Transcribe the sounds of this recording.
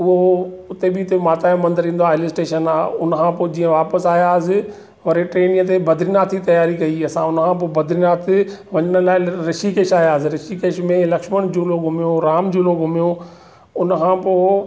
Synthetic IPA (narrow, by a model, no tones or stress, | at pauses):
ʊɦoʊt̪ebɪt̪emaːt̪aːjmɐ̃nd̪əɾĩːnd̪oaːɪlɪsʈeːʃənaːʊnəkʰãːpoːd͡ʑĩːə̃ʋaːpəsaːjasɪ | ʋɐɾeʈɾeːnɪ̃jə̃t̪̬ebɐd̪ʱɾinaːt̪ʰːit̪ɐjaːɾikɐiɐsãʊnkʰãːpoːbʱɐd̪ʱɾinaːt̪ʰ | ʋɐɲəɽ̃ə̆laːɪɾɪʃikeːʃaːɦjaːs̬ɪɾɪʃikeːʃmẽlɐkʃməɽ̃d͡ʑoːloːɡʱʊmijoɾaːmd͡ʑoːloːɡʱʊmijo | ʊnəkʰãːpoː